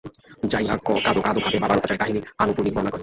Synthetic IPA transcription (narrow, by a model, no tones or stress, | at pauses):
d͡ʒajakːɔkad̪okad̪obʱabebabanɔt̪at͡ʃajt̪aɦinianupunibɔnakɔi